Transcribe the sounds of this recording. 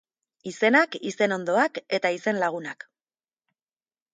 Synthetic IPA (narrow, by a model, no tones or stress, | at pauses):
ise̞nakise̞no̞nd̪o̞ake̞t̪aise̞nlaɣ̞unak